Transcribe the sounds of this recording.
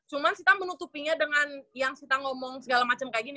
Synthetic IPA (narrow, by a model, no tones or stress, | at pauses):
t͡ʃumansit̪amənut̪upiɲadəŋanjaŋsit̪aŋɔmɔŋsəɡalamat͡ʃamkaɡin